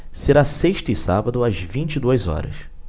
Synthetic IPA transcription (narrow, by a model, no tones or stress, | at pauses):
seɾaseʃt̪ʊɪsa̰bɐd̪ʊɐzvĩnt͡ʃid̪uɐzɔ̰ɾɐ̰s